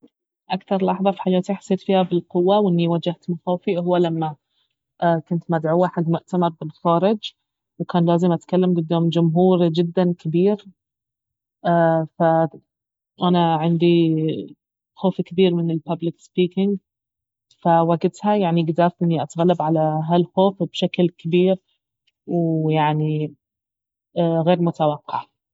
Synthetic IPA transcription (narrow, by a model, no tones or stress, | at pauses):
ʔakt̪ɑɾˤlʔɑħðˤɑfi̥ħajaːt̪iħḁsːeːt̪fiːhabɪlqʊwːawʔɪnːiwad͡ʒaht̪maxaːfiʔhʊwːalamːa | ʔkʊnt̪mad̪ʕuːaħad̪mʊʔt̪amɑɾˤbɪlxɑːɾˤɪd͡ʒ | wkaːnlaːzɪmʔat̪kalːamɡʊd̪ːaːmd͡ʒʊmɦuːɾd͡ʒɪd̪ːankabiːɾ | ʔafa | ʔanaʕɪnd̪i | xoːfkɪbiːɾmɪnɪlpablɪkspiːkɪŋɡ | fawaɡɪt̪hajaʕniɡd̪aːfʔɪnːiʔat̪ɣalːabʕalaɦalxoːfb̥ʃaklkɪbiːɾ | wjaʕni | ɣeːɾmʊt̪awɑqːɑʕ